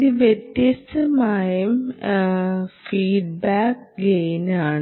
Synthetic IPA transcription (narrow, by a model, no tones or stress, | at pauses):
iʋjet̪jɐst̪ɐmaːjɐm | fiːɖ̚baːk̚ɡejnaːɳ